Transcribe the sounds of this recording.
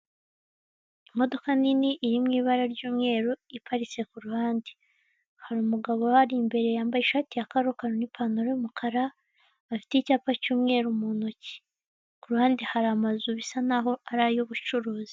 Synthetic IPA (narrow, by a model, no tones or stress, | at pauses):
imo̞do̞kaniniʔːɾimŋiːβaɾaɾɟuːmŋe̞ːɾoipaɾit͡se̞kuɾuhaːndi̥ | haɾumuɡaβo̞haɾimbe̞ɾe̞jaːmbajeʃaːtijakaɾokaɾonipʰanuɾojumukʰaɾa | βafi̥teicaːpacuːmŋe̞ːɾumunoci̥ | kuɾuhaːndihaɾamazuβisanaɦo̞aɾajoβut͡ʃuɾuːzi